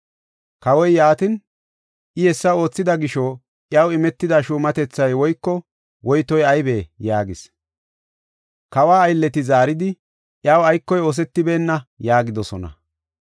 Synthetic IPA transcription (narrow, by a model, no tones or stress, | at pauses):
kɐwɔjjaːt̪ɪn | ʔɪjɛsːɐo̞ːt͡sːɪd̪ɐɡɪʃoː | ʔjɐwɪmɛt̪ːɪd̪aʃuːmɐt̪ɛt͡sːɐjwɔjkːɔ | wɔjt̪ɔjɐjbeːjaːɡɪs | kɐwaːɐjlːɛt̪ɪzaːɾɪd̪ɪ | ʔjɐwɐjkːɔjoːs̬ɛt̪ːɪbe̞ːnːɐjaːɡɪd̪ɔsɔnɐ̰